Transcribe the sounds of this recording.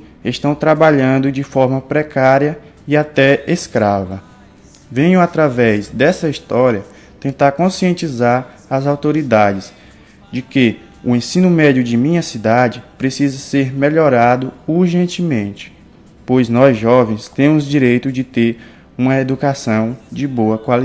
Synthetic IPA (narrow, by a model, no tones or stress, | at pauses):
est̪ɐ̃w̃t̪ɾabaʎɐ̃nd̪ʊd͡ʒɪfɔɾmɐpɾɛkaɾiɐ | iat̪ɛeskɾavɐ | vẽɲʊat̪ɾavɛzd̪ɛsɐist̪ɔɾiɐ | t̪ẽnt̪aɾkõsiẽnt͡ʃizaɾ | ɐzawt̪oɾid̪ad͡ʒɪs | d͡ʒɪke | ʊẽsĩnʊmɛd͡ʒjʊd͡ʒɪmĩɲɐsid̪ad͡ʒɪpɾesizɐseɾmeʎɔɾad̪ʊuɾʒẽnt͡ʃɪmẽnt͡ʃɪ̥ | pojznɔzʒɔvẽj̃st̪ẽmʊzd͡ʒiɾejt̪ʊd͡ʒɪt̪eɾ | ũmɐed̪ukasɐ̃w̃d͡ʒɪboɐkwali